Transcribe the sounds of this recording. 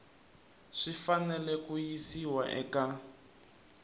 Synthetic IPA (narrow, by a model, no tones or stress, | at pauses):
ʂifanɛlɛkujisiwaʔɛ̰ka